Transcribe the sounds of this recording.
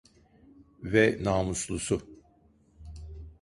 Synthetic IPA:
vɛnaːmuslˠusʊ

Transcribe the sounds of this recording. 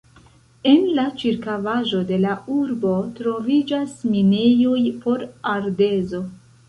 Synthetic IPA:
e̞nlat͡ʃiɾkavaʒo̞de̞lauɾbo̞tɾo̞vid͡ʒasminejojpo̞ɾaɾde̞zo̞

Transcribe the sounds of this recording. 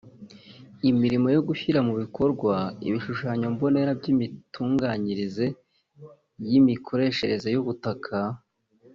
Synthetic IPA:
imiɾimo̞jo̞ɡuçiɾamuβikʰo̞ɾɡwaḭβiʃuʃaːɲombo̞ne̞ɾabɟimituːŋɡaɲiɾize̞ | jimikʰo̞ɾe̞ːʃe̞ɾe̞ze̞juβutakʰa

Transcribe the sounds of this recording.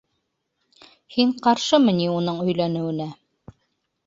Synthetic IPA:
hiɴqɑɾʃɤmɘ̆niunɤɴɵ̆jlænɘ̆wɘ̆næ

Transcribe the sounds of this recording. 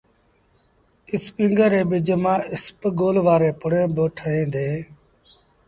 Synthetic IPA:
ɪspɪ̃ŋɡəɾeːbɪd͡ʒəmãːʔɪspɡoːlʋaːɾeːpʊɽẽːbəʈʰəɦẽːd̪eː

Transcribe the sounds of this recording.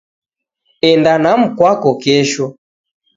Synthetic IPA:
ɛndanam̩kwakɔkɛʃɔ

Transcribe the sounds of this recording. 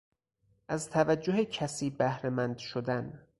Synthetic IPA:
ʔæzt̪ʰævæd͡ʒːoɦecʰæsiːbæhɾemænd̪ʃod̪æn

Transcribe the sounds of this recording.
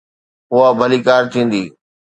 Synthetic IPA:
ʊabʱəliːkaːɾt̪ʰĩːn̆d̪iː

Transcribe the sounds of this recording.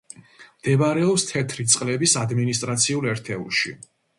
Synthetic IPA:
md̪̥ɛbaɾɛɔpst̪ʰɛt̪ʰɾit̪sʼqʼlɛbisad̪minist̪ʼɾat̪sʰiulɛɾt̪ʰɛṵlʃi

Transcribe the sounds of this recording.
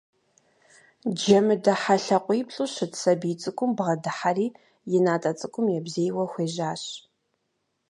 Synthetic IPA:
d͡ʒɐmɨdɐħaɬɐqʷʼiːpɬʼuɕɨtsɐbiːt͡sʼɨkʷʼʊmbʁɐdɨħariː | jɪnaːtʼɐt͡sʼɨkʷʼʊmjɛbzejwɐxʷeːʒaːɕ

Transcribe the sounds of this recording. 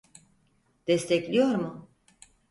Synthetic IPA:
d̪̥ɛst̪ʰɛclʲijo̞ɾmʊ

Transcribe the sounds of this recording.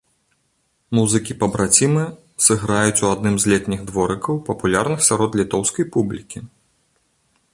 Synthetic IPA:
muzɨkʲipɐbɾat͡sʲimɨ | sɨɣɾajut͡sʲuad̪nɨmzʲlʲɛt̪ʲnʲiɣd̪vɔɾɨkɐwpɐpulʲarnɨxsʲaɾɔt̪lʲit̪ɔwskɐjpublʲikʲi

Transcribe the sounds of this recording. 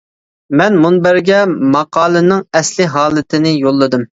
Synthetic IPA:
mɛnmunbæɾɡʲɛmɑqɑːlˠɨnɨŋɛslɪɦɑːlˠɨt̪ʰɪnɪjolˠːɨd̪ɨm

